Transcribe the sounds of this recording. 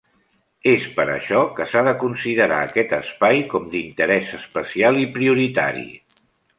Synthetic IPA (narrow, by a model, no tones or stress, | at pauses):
espəɾə̰ʃɔkəsaðəkunsiðəɾa̰əkɛt̪əspajkɔmd̪int̪əɾɛzəspəsialˠipɾiuɾit̪a̰ɾḭ